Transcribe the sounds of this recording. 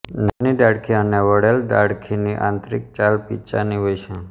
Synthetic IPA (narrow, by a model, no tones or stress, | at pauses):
n̤anid̪aɽkʰiəneʋəɽeld̪aɽkʰiniʔã̰nt̪ɾik̚t͡ʃalpḭt͡ʃa̰niɦojt͡ʃʰɛ̃